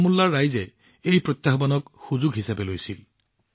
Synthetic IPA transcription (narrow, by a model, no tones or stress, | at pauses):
mulːaɹːajzɛ | ejpɹɔt̪jaɦbanɔkxuzuɡɦisabɛlojsil